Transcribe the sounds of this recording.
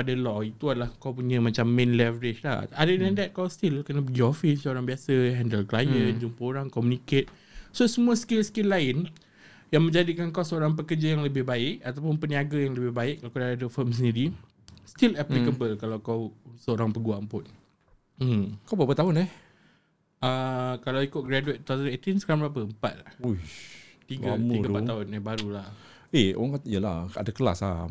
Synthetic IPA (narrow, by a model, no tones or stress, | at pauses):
padalɔit̪uadalahkawpuɲə̃mat͡ʃamːẽnlɛvəɾɪt͡ʃla̰adədɛ̃ndɛt̪̚kawst̪ilkənapəɡiɔfinsəoɾaŋbiasəɦɛndəlklajənd͡ʒumpəoɾaŋkɔmuniket̪̚ | sosəmũaskɪlskɪlːaɪn | jaŋmə̃ɲd͡ʒadikankawsəoɾaŋp̬əkərd͡ʒajaŋləbɪhbaɪʔ̚at̪awpʊnpəniaɡajaŋləbɪhbaɪʔk̚kːalkadaadəfəms̬əndiɾi | st̪ilɛplikəbəlkalawkawsəoɾaŋpəɡuaŋpʊn̩ | mkawbapət̪aɦʊnɛh | əkalawikʊt̪̚ɡɾaduet̪t̪ːat̪əet̪ɪnsəkaɾaŋbɾap̬əəmpa̰t̪̚lahu | t̪iɡamiɡpat̪aɦʊnɛbaɾulah | eo̰aŋkaijəla̰ha̰dakəla̰sa̰